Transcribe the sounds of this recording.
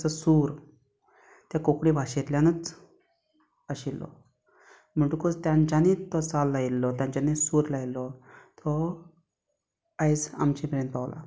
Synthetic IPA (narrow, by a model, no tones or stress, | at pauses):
t͡sasuːɾ | t̪jakokɽibʱaɕet̪ljanət͡s | əɕilːɔ̰ | m̤əɳʈukost̪jãɲt͡ɕanet̪ɔt͡salːailːɔt̪jãɲt͡ɕanesuɾlailːɔt̪ʰɔ | ajd͡za̰mt͡ɕimɾenpawla̰